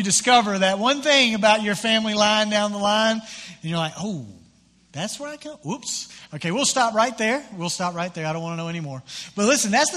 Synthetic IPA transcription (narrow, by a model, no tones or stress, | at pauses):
jɨdɨskʌvə˞ðɨt̚wʌ̃nθɪ̃ŋɨbaʊt͡ʃə˞fæ̃mlilãɪ̃ndãʊ̃nðəlãɪ̃nɨ̃njə˞laɪkoʊ | ðætswə˞aɪkʰʌ̃upsoʊkʰeɪwilˠstɑpɹaɪt̪̚ðə˞wilˠstɑp̚ɹaɪt̪̚ðə˞aɪɾõnwɑ̃nənoʊɛ̃nimɔɹb̥ʌt̚ˡlɪsɨ̃n̩ðætsð